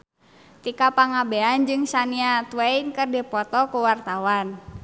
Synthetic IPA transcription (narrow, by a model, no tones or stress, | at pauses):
t̪ikapaŋabeand͡ʒɨŋsaniat̪uɛinkərdipɔt̪ɔkuwart̪awan